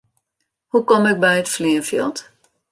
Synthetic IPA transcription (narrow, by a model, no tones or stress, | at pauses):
hukɔmɪk̚bɛjətfliəfjɪlˠt